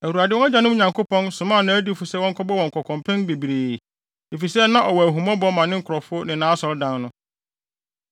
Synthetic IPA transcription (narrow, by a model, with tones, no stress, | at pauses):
æ˨wu˨a˨dɪ˦wɔ̃˦na˦d͡ʑã˨nʊ̃˦m˦˨ɲã˨ŋko˦pɔ̃˦nsʊ̃˨mã˦˨nã˦æ˦di˦fʊ˨sɛ˦wɔ̃˦kʰɔ˦bɔ˦wɔ̃˨ŋ̩˨kʰɔ˨kʰɔ̃˨mpʰɛ̃˦nbe˨bɾeː˨ | e˨fi˨sɛ˦nã˦ʔɔ˨wɔ˨æ˨ɦũ˨mɔ̃˦bɔ˦mã˨nɪ̃˦ŋ̩˦˨kʰɾɔ˨fʊ˦nɪ̃˨nã˨˦sɔ˨ɾdã˦nnʊ̃˦